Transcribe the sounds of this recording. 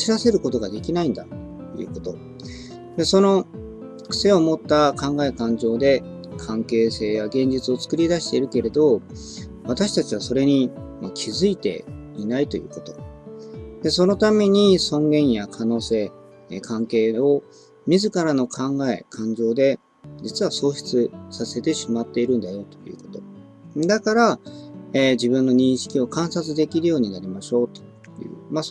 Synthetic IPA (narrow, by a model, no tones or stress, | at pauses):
iɾase̞ɾɯ̟ko̞t̪o̞ɡad̪e̞kʲinaĩnd̪a | ejɯ̟̰ːko̞t̪o̞ | d̪e̞so̞no̞ | kɯ̟̥se̞omot̪ːakãŋɡae̞kãɲ̟d͡ʑo̞ːd̪e̞ | kʰãŋke̞ːse̞ːjaɡẽ̞ɲ̟d͡ʑit͡sɨo̞t͡sɨ̥kɯ̟ɾʲid̪aɕi̥t̪e̞iɾɯ̟ke̞ɾe̞d̪o̞ | βat̪aɕi̥t̪at͡ɕiβ̞aso̞ɾe̞ɲ̟imakʲʰizɨit̪e̞̰inait̪o̞̰jɯ̟ːko̞t̪o̞̥ | d̪e̞so̞no̞t̪ame̞ɲ̟isõ̞ŋɡẽ̞ɰ̃jakʰano̞ːse̞ː | kʰãŋke̞ːo̞ | mʲizɨkaɾano̞kʰãŋɡae̞̰kʰãɲ̟d͡ʑo̞ːd̪e̞ | d͡ʑit͡sɨβ̞aso̞ːɕi̥t͡sɨsase̞t̪e̞ɕimat̪ːe̞iɾɯ̟̃nd̪ajo̞t̪o̞̥jɯ̟̰ːko̞̥t̪o̞ | d̪akaɾa | eːd͡ʑiβɯ̟̃nːo̞ɲ̟ĩɰ̃ɕi̥kʲio̞kãɰ̃sat͡sɨd̪e̞kʲiɾɯjo̞ːɲ̟inaɾʲimaɕo̞ːt̪o̥ | jɯ̟̰ːma